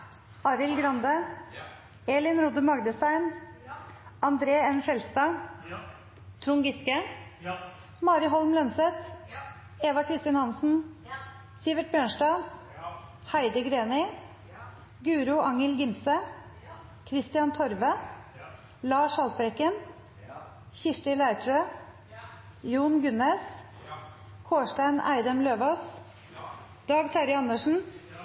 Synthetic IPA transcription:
ɑːɾɪlɡɾɑnd̪ə | eːlɪnɾʊd̪əmɑɡd̪əst̪æɪn | ɑnd̪ɾeːɛnʃɛlst̪ɑː | t̪ʰɾʊŋɡɪskə | mɑːɾɪɦɔlmlœnsɛt̪ | eːʋɑkʰɾɪst̪ɪnhɑnsn̩ | sɪʋəʈ̚bjøːɳʃʈɑː | hæɪd̪əɡɾeːnɪ | ɡʉːɾʊʔɑŋəlɡɪmsə | kʰɾɪst̪ɪɑnt̪ʰɔɾʋə | lɑːʂhɑlt̪̚bɾɛkən | çɪʂʈɪlæɪt̪ʰɾøː | juːnɡʉneːs | kʰoːʂʈæɪnæ̰ɪd̪əmløːʋoːs | d̪̥ɑːɡt̪ʰæɾɪɑnəʂn̩

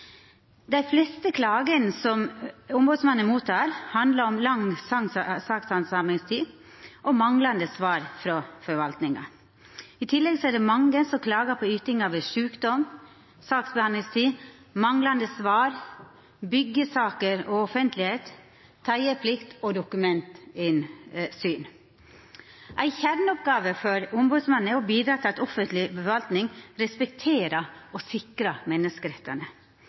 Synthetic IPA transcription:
d̪æɪflɛst̪əkʰlɑːɡənsɔmʊmbuːd̪smɑnːənmuːt̪ʰɑːɾhɑnd̪ləɾɔmlɑŋsɑŋsɑːksɑnsɑmɛŋst̪ʰiː | ʔɔmɑŋlɑnd̪əsʋɑːɾfɾɔfɔɾʋɑlt̪nɪŋɑ̰ | ɪt̪ʰɪlːɛɡsɔæɖɛmɑŋːəsɔkʰlɑːɡəpʰɔyːt̪ɪŋɑʋəʂʉːkd̪ɔm | sɑːksbəhɑnd̪lɪŋst̪ʰiː | mɑŋlɑnd̪əsʋɑːɾ | bʏɡːəsɑːkəɾɔɔfənt̪lɪheːt̪ʰː | æɪəpʰlɪkt̪ɔd̪ʊkʉmɛnt̪ɪnsyːn | ʔæɪçæɾnɔp̚ɡɑːʋəfɔɾʊmbʉːd̪smɑnːəɔbiːd̪ɾɑːt̪ʰɪɑɛt̪ɔfənt̪lɪbəʋɑlt̪nɪŋɾɛspɛk̚t̪ʰeːɾɑɔsɪkɾɑmɛnːəskəɾɛt̪ʰːɑnə

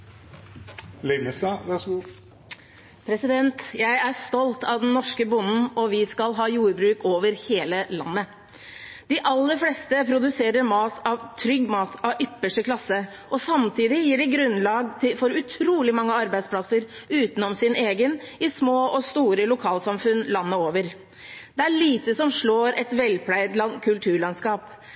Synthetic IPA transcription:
lɛməsɑʋæʂ | pʰɾɛsɪd̪ɛnt̪jæɪæst̪ɔlt̪ʰɑʋd̪ɛnnːɔʂkəbʊnːn̩ɔʋɪskɑlɦɑːjuːɾbɾʉːkoːʋəɾheːləlɑ̰nːə | d̪̥ɪʔɑlːəɾflɛst̪əpʰɾʊd̪ʉseːɾəɾmɑːt̪ʰɑʋt̪ʰɾʏɡːmɑːt̪ʰɑʔʏpːəʂʈəkʰlɑsːə | ʔɔsɑmt̪ʰiːd̪ɪjiːɖɪɡɾʉnːlɑːɡt̪ʰɪfɔɾʉt̪ʰɾuːlɪmɑŋːəɑɾbæɪd̪spʰlɑsəɾʉːt̪n̩ɔmsɪneːɡənɪsmoːʔɔst̪uːɾəlʊkʰɑːlsɑmfʉnlɑnːəoːʋəɾ | d̪̥ɛæɭiːt̪əsɔmʂɭoːɾʔɛt̪ʋɛlːpʰlæɪd̪lɑnkʰʉlt̪ʰʉːɾɭɑnskɑːp

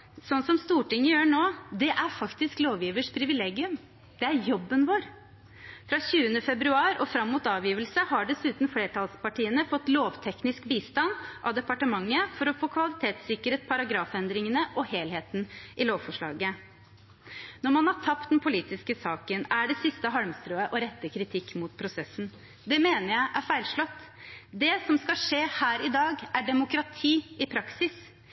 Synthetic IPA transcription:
sɔnːsɔmst̪uːʈɪŋːəjøːɳoːd̪ɛʔæɾfɑkt̪ɪskloːʋjiːʋəʂpʰɾɪʋɪleːɡɪʉm | d̪̥ɛæɾjɔbːənʋoːɾ | fɾɑɕʉːənəfɛbɾʉɑːɾɔfɾɑmːuːt̪ɑːʋjiːʋəlsəhɑɖɛsʉːt̪nfleːʈʰɑlspɑʈʰiːənəfɔt̪ːloːʋt̪ʰɛknɪskbiːst̪ɑnʔɑʋd̪ɛpɑʈəmɑŋːəfɔɾɔfoːkʰʋɑlɪt̪ʰeːt̪sɪkəɾheːt̪̚pʰɑɾɑɡɾɑːfɛnd̪ɾɪŋənəʔɔheːlheːt̪nʔɪloːʋfɔʂɭɑ̰ːɡə | nɔɾmɑnhɑʈʰɑpt̪̚d̪ɛnpʰʊliːt̪ɪskəsɑːkənæɖɛsɪst̪əɦɑlmst̪ɾøːəʔɔɾɛt̪ːəkʰɾɪt̪ʰɪkːmut̪pʰɾʊsɛsn̩ | d̪ɛmeːnəɾjæɪʔæfæɪlʂɭɔt̪ː | d̪ɛsɔmskɑʂeːhæːɾɪd̪ɑːɡæɖɛmʊkɾɑt̪ʰiːɪpʰɾɑksɪs

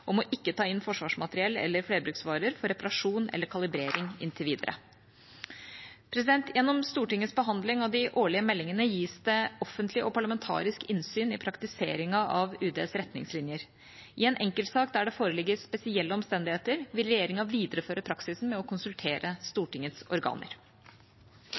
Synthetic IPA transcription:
ʔɔmɔʔɪkːət̪ʰɑːɪnːfɔʂʋɑːʂmɑt̪əɾɪɛlːɛ̰lːəɾfɽeːɾbɾʉksʋɑːɾəɾfɔɾɛpɑɾɑʂuːnɛ̰lːəɾkʰɑlɪbɾeːɾɪŋɪ̰nt̪ʰɪlʋiːd̪ə̰ɾʔə̰ | pʰɾɛs̬ɪd̪ɛnt̪jɛnːɔmst̪uːʈɪŋːəsbəɦɑnd̪lɪŋɑʋd̪ɪʔoːɭɪəmɛlːɪŋənəjiːsd̪ɛʔɔfːənt̪ʰlɪʔɔpʰɑɭəmɛnt̪ʰɑ̰ːɾɪskɪnsyːnɪpʰɾɑkt̪ɪsḛːɾɪŋɑʔɑʋʉːd̪ḛːsɾɛt̪nɪ̰ŋslɪnjəɾ | ʔɪɛːnʔɛŋkəlt̪sɑːkd̪æɖɛfoːɾəlɪɡːəspɛsɪɛlːəɔmst̪ɛnd̪ɪheːt̪əɾʋɪlɾɛjeːɾɪŋɑʋiːd̪əɾəføːɾəpʰɾɑksɪsn̩mɛɔkʰʊnsʉlt̪ʰeːɾʔəst̪uːʈɪŋːət̪sɔ̰ɾɡɑ̰ːnə̰ɾ

